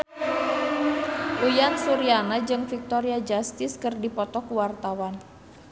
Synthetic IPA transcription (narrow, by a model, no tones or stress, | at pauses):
ʔujansuɾianad͡ʒɨŋfik̚t̪ɔɾiad͡ʒast̪ɪskɨrdipɔt̪ɔkuwart̪awan